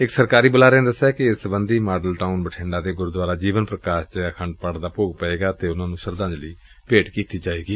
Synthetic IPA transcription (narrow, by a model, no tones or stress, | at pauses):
ɪksəɾkaːɾiːbəlaːɾẽnd̪əsːɛːkɪɪsəbənd̪iːmaːɖəlʈaːunbəʈʰɪ̃ɳɖaːt̪eːɡʊɾd̪aːɾaːd͡ʒiːʋənpɾəkaːʃt͡ʃəkʰəɳɖpəɽd̪aːpoːɡpəeːɡaːt̪eːʊnãːnũːʃəɾd̪ãːd͡ʒləiː | peːʈkiːt̪iːd͡ʒaːeːɡiː